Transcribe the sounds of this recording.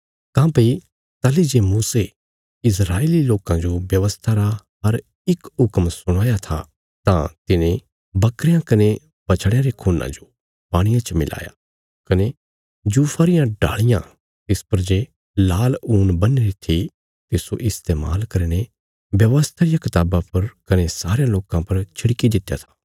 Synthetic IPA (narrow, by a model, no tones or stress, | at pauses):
kãːpɐi | t̪ɐlid͡ʒemuːse | ɪs̬ɾaːeːliloːkãd͡ʒobjɐʋəst̪ʰaɾaɦɐɾ | ɪkɦʊkmsʊɽ̃aːjat̪ʰa̰ | t̪ã̰t̪ɪnẽ | bɐkɾejãkɐne | bɐt͡ʃʰɽejãɾekʰuːnã̰d͡ʒo | paːɽ̃ɪjãt͡ʃmɪla̰ːja̰ | kɐne | d͡ʒuːfʰaːɾɪjãɖa̰ːɭɪjã̰ | t̪ɪspɐɾd͡ʒeː | laːluːnbɐneɾit̪ʰi | t̪ɪsoʔɪst̪eːma̰ːlkɐɾne | bjɐʋəst̪ʰaɾɪjakɪt̪aːbãpɐɾkɐnesaːɾejãloːkãpɐɾt͡ʃʰɪɽkid̪ɪt̪ja̰t̪ʰḁː